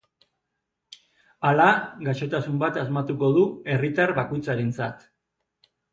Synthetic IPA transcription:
alaɣaʃo̞t̪asumbat̪azmat̪uko̞ð̞ue̞rit̪arβako̞jt͡saɾent͡sat̪

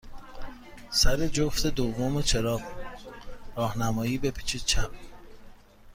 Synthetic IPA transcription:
sæɾed͡ʒoft̪ed̪ovːomet͡ʃʰe̞ɾɒːb | ɾɒːhnæmɒːjiːbepʰi̥t͡ʃʰit͡ʃʰæp

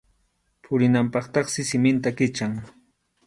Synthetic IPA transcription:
pʰʊɾɪnampɑχt̪ɑχsɪsɪmɪnt̪akɪt͡ʃaŋ

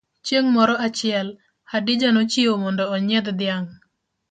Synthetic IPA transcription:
t͡ʃjeŋmɔɾɔʔat͡ʃɪɛl | hadid͡ʒanot͡ʃiomɔndɔːɲed̪d̪ɪjaŋ

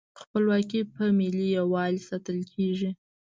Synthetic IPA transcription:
xpəlwɑkipəmɪlijawɑlsat̪əlkʰeʒi

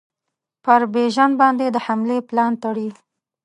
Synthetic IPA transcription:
pəɾbeʒanbɑnd̪ed̪əhamleplɑnt̪aɽi

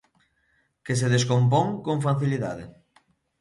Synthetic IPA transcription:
kes̬eðeskomp̬oŋkõŋfaθiliða̰ðḛ

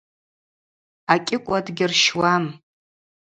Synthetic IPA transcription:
akʲʼɪkʷʼadɡʲɪrʃwam

